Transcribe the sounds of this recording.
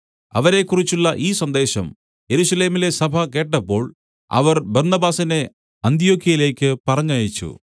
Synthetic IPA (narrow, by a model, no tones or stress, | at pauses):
ɐ̰ʋɐɾe̞kːurit͡ɕːuɭːɐʔiːsɐnd̪e̞ːɕɐm | je̞ɾuɕɐle̞ːmile̞sɐbʱɐke̞ːʈːɐpːo̞ːɭ | ɐ̰ʋɐrbɐrnɐbaːsɐne̞ | ɐnt̪ijo̞ːkʰːiɐjile̞ːkʲːɨpɐrɐɲːaːjit͡ɕːṵ